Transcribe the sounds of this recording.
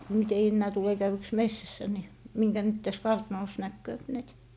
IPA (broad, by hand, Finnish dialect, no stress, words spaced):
nyt ei enːæː tule kæywyks mesːæsːæ ni miŋkæ nyt tæs kɑrtnoˑs nækːøːp næit